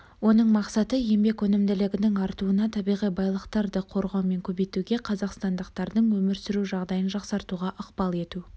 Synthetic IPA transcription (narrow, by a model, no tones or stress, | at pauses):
wo̞n̪əɴmɑqsɑt̪əje̞mbe̞kwɵnɪmd̪ɪlɪɡʲɪnɪŋɑɾt̪uənɑt̪ʰɑbijʁijbɑjlˠəqt̪ɑɾd̪əqʰo̞ɾʁɑwme̞ŋkʲʰɵbejt̪uɡʲe̞qʰɑzɑqst̪ɑnd̪əqt̪ɑɾd̪əɴwɵmɪɾsɪɾuʒɑʁd̪ɑjənʒɑqsɑɾt̪uʁɑʔʊqpɑlˠe̞t̪u